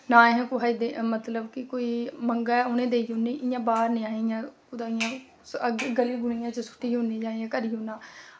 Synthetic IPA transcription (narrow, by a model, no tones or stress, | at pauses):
nãːẽɦɛ̃ːkʊɦaːiːd̪emət̪ləbkɪkoːiːməŋɡaːʊnẽːd̪eːionĩːʔɪjãːbaːɾnĩːaːɪjãːkʊd̪aːɪjãː | ɡəliːɡʊnijãːt͡ʃəsʊ̥ʈːiːɦõːniːd͡ʒaːiːãːkəɾiːɦoːnãː